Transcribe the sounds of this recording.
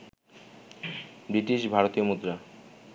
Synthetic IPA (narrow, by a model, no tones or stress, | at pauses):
bɾiʈiʃbʱaɾot̪iomud̪ɾa